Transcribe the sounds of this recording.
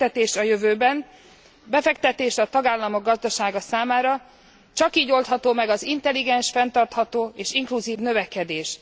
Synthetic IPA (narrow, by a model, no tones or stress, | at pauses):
t̪ɛt̪eːʃt̪ɒjøvøːbɛn | bɛfɛkt̪ɛt̪eːʃt̪ɒt̪ɒɡaːlːɒmoɡ̚ɒzd̪ɒʃaːɡɒsaːmaːɾɒ | t͡ʃɒkiːɟo̞lt̪hɒt̪oːmɛɡɒzint̪ɛlːiɡɛnʃfɛnt̪ɒrt̪hɒt̪oːeːʃiŋkluziːvnø̞vɛkɛd̪eːʃ